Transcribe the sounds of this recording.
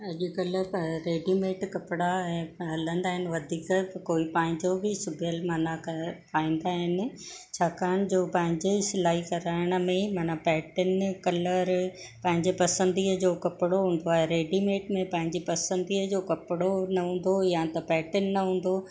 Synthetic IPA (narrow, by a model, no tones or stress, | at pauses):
ɐʄikɐləɾɾeːɖimeːʈkɐpɪɽaɛ̃ːɦɐlə̃nd̪aːɦɪnɪ̆ʋɐd̪ʱiːkəkoːipɐ̃ɦɪ̃ɲd͡ʑobʱɪsʊbʱɪjəlmɐnakɐpaːĩːn̆d̪aːɦɪnɪ̆ | t͡ɕʰaːkaːəñɪ̆d͡ʑoːpɐ̃ɦɪ̃ɲd͡ʑesɪlaːɦikɐɾaːɪɽ̃ə̆mẽmɐnapɛːʈənkɐləɾ | pɐ̃ɦɪ̃ɲd͡ʑepɐsə̃nd̪iːəd͡ʑoːkɐpɪɽoɦũːn̆d̪oaːɦeɾeːɖimeːʈmẽpɐ̃ɦɪ̃ɲd͡ʑepɐsə̃nd̪iːəd͡ʑoːkɐpɪɽonɐɦũːn̆d̪ojat̪ɐpɛːʈənːɐɦũːn̆d̪o